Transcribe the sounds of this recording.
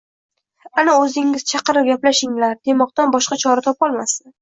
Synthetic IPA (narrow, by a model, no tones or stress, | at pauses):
anaɵzɪŋɪz̥t͡ʃʰɑqɨɾɪp̚ɡʲaplaʃɪŋlaɾd̪̥e̞mɒq̚t̪anbɒʃqat͡ʃʰɒɾat̪ʰɒpɒlˠmasɪn